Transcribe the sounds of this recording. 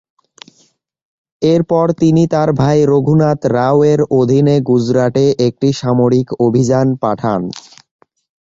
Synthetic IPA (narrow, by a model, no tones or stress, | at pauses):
eɾpɔɾt̪init̪aɾbʱajɾoɡʱunat̪ɾaweɾod̪ʱineɡud͡ʑɾaʈeʔek̚ʈiʃamoɾikobʱid͡ʑanpaʈʰan